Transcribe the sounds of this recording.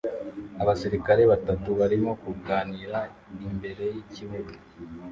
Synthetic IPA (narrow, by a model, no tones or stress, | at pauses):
aβasiɾikaɾe̞βatatuβaɾimo̞kuɡaːniːɾa | imbe̞ɾe̞jiciβuɡu